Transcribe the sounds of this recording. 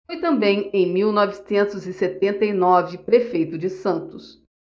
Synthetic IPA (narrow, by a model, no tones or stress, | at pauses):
fojt̪ɐ̃mbẽj̃ẽj̃miwnɔvɪsẽnt̪ʊzɪset̪ẽnt̪ɐjnɔvɪpɾefejt̪ʊd͡ʒɪsɐ̃nt̪ʊs